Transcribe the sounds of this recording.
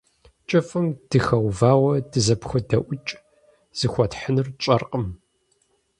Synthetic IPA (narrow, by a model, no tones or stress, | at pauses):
t͡ʃʼɐfɐmd̥ɨxɐwvaːwɐdɨzɐpxʷɐdɐʔʷʊt͡ʃʼ | z̥ɨxʷɐtħənɨrt͡ʃʼɐrqʼəm